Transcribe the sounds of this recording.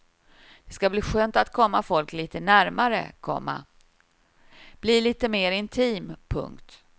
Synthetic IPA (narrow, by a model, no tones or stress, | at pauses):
d̪̥ɛskabliːɧøːnt̪at̪kʰɔmːafɔlkliːt̪ənæɾmaɾə̰kʰɔ̰mːa̰ | b̥liːliːt̪əmeːɾɪnt̪ʰiːmpʰɵ̰ŋkt̪